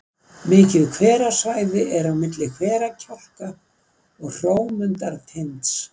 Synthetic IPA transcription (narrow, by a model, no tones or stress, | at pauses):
mɪːcɪðkʰvɛːɾasajðɪʔɛɾawmɪt̪lɪkʰvɛːɾacʰal̥ka | ɔɣr̥oːwmʏnt̪aɾt̪ʰent̪s